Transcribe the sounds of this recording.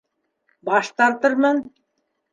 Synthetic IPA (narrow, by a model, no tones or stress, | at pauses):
bɑʃt̪ɑɾt̪ɤɾmɤn